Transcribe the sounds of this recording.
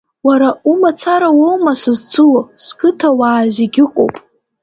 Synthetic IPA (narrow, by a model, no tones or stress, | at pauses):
waɾaumat͡sʰaɾawowmasɨzt͡sʰɨloskʰɨtʰawaːzeɡʲɪqʼo̰wpʼ